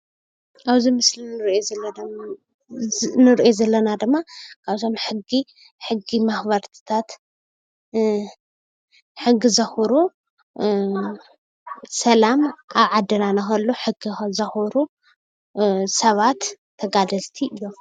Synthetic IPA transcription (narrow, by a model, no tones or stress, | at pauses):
ʔaβzimɨslinɨɾoɐ | nɨɾʔozɐlːɐnad̪ɨmːakʰaβt̪ʰo̞mħɨɡi | ħɨɡːimaxβɐɾt̪ʰɨ̥t̪ʰat̪ | ħɨɡːizɐxuɾu | sɐlamʔaβʕad̪ɐnanɐxɐlːuħɨɡixzɐxuɾu | sɐβat̪ʰː | ɐɡad̪ɐlt̪ʰiʔɨjːo̞